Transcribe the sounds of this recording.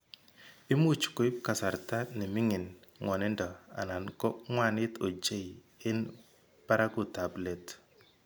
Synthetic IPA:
i˦mu˦t͡ʃko˦i˦p̚ka˨sa˨ɾta˦nɪ˨mɪ˦ŋɪ˨nŋɔ˨nɛ˦ndɔ˨a̰˨na˨nkɔ˦ŋwa˦˨nɪ˦to˨d͡ʒe˦i˨ | ɪ˦n | pa˦ɾa˦ɡʊ˨ta˨ble˨t

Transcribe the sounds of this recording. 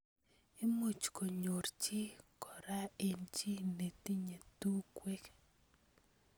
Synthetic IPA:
ɪ˦mu˨t͡ʃko˨ɲo˨ɾt͡ʃi˦kɔ˨ɾa˦e˨nt͡ʃi˦ne˨t̪i˦ɲe˨t̪u˦kwe˦k

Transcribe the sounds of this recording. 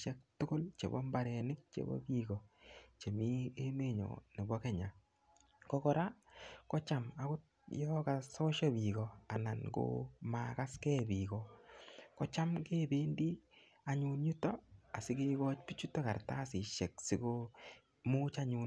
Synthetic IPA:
ʃɛ˦k̚tʊ˦kʊ˦lt͡ʃḛ˨bɔ̰˦mba˨ɾɛ˨nɪ˦k̚t͡ʃḛ˨bɔ̰˦bi˦ɡɔ˨t͡ʃe˨mi˦e˦me˦ɲɔ̰˨nɪ˨bɔ˦kɛ˨ɲa˨ | kɔ˦kɔ˦ɾa˦kɔ˦t͡ʃa˨ma˨kʊ˦ | jɔka˨sɔ˦ʃɔ˦bi˨ɡɔ˨a˨na˨nko̰maka˦skɛ˦bi˨kɔ˨kɔ˦t͡ʃa˦mke˦be˦ndi˦ | a˨ɲunɲu˦tɔ˦a˨sɪ˦ɡe˦ɡɔ˦t͡ʃpi˦t͡ʃu˦tɔ˦ka˨ɾta˦sɪ˨ʃɛ˨ksɪ˦ɡo˦ | mu˦t͡ʃa˦ɲu˨n

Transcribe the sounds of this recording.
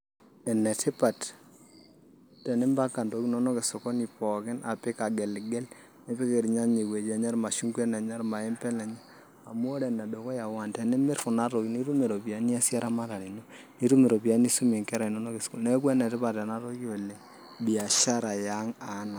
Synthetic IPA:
ɛ˨nɛ˨tʰɪ˦pa˨t | tɛ˨nɛ˦mba˦ka˨ndo˨˦ki˦nɔ˦nɔ˦kɪ˨sʊ˨kɔ˦ni˨pɔ˨kɪ˦nʔa̰˨pɪ˦ka˨ɡɛ˨lɡɛ˦l | nɛ˦pi˦ke˨ɾi˨ɲa˦ɲe˨kwe˨d͡ʒa˨ɲa˦ɾma˨ʃu˦ŋkwɛ˦na˨ɲa˦ɾma˨ɛ˦mpɛ˦na˨ɲa˦ | a˨m˦o˦ɾɛ˨na˨do˨kɔ˦ja˨wa˨ntɛ˨nɛ˦mɪ˦ɾkʊ˨na˦ɾo˨kini˦ɾu˦me˨ɾo˨pi˨a˦ni˦a˦sa˦ɾa˦ma˦ɾa˨ɾi˨no˦ | ni˦ɾu˦me˨ɾo˨pi˨a˦ni˦su˦me˨ŋkɛ˦ɾa˨i˨nɔ˦no˦kɪ˨sko˦nɛ˦k̬wɛ˦nɛ˨tɪ˦pa˨tɛ˨na˦ɾo˦ko˨lɛ˨ | bi˨a˨ʃa˦ɾa˨ja˦ŋa˨˦na˨

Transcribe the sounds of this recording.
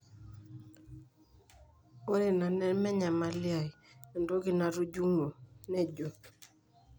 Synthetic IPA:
ɔ˦ɾɪ˨na˨nɛ˦nmɛ˦ɲa˨ma˨lja˨ɛ˨ndɔ˦ɡɪ˨na˨ɾu˦d͡ʒu˦ŋo˨nɛ˦˨d͡ʒo˨

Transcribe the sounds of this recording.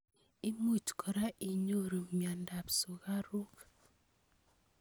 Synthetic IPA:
i˦mu˦˨t͡ʃkʰɔ˨ɾa˦ʔi˨ɲo˦˨ɾo˨mja˨nda˨pso˨ɣa˦ɾu˦k

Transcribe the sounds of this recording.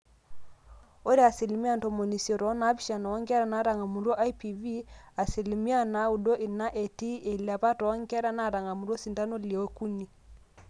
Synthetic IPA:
o˦ɾe˦a˨si˨li˨mi˦a˦nto˨mo˨ni˨sɔ˨ɾɔ˨˦na˨˦βi˦ʃa˨nɔ˨ɔ˦ŋɡɛ˦ɾa˨˦na˨˦ɾa˨ŋa˨mu˨ɾwɔ˦ʔa˦i˦pi˨vi˦a˨si˨li˨mi˦a˦na˨u˨do˦ʔi˨na˦ʔe˨ti˦e˨li˨a˨βa˦tɔ˨˦ŋɡɛ˦ɾa˦na˨ɾa˨ŋɡa˨mu˨ɾɔ˦si˨nta˦no˦le˨o˦ku˦ni˨

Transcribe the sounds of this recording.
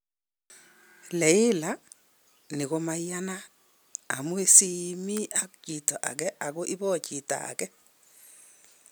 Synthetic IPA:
lɛ˨ɪ˦la | ni˨ko˦ma˦ja˦na | a˨mwe˦si˦mi˦ʔa˦kt͡ʃi˨tɔ˨ʔa̰˨kɛ˦ʔa˨ko˦ʔi˦bɔ˦t͡ʃi˨ta̰ː˨kɛ˦

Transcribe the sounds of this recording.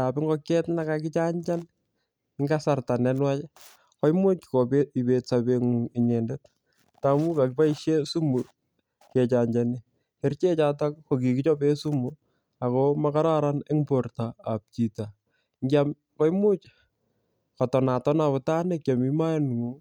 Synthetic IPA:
tapɪ˦ŋɡɔ˦kɛ˦tna˦kakɪt͡ʃa˦ɲd͡ʒan | ŋɡasa˨rta˨nɛ˦nwa˦t͡ʃ | kɔ˦jmu˦t͡ʃkɔ˨pei˨betsabe˦ŋu˨ɪ˨ɲɛ˨ndɛt̚ | tamu˦ka˨kɪpa˦i˦ʃje˦su˦mu | ke˨t͡ʃaɲd͡ʒani | ɛɾt͡ʃe˦t͡ʃata˦kkok̬i˨kɪt͡ʃɔ˦pe˦su˦mu | akomaka˦ɾa˦ɾane˦ŋpo˨rtaːp̚t͡ʃita | ŋɡjam | kɔ˦jmu˦t͡ʃ | kɔtɔ˨na˨tɔ˦naβɔ˨ta˦nekja˨mi˦ma˦jan˨ŋu˨

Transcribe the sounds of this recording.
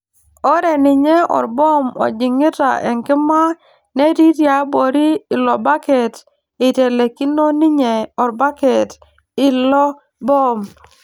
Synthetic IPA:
ɔ˦ɾɛ˨nɪ˨ɲe˦ɔ̰˨ɾbɔ˦mɔ̰˨d͡ʒɪ˨ŋɪ˦ta̰˨ʔɛ̰˨ŋkɪ˦ma˦ | ne˦ɾi˦ɾja˨˦bo˨ɾi˦ɪ˨lɔ˨ba˦kɛ˨t | ɪ˨te˨le˨ki˦no˦nɪ˦ɲɛ˨ɔ˨ɾba˦kɛ˨t | ɪ˦lɔ˦ | bɔ˦m

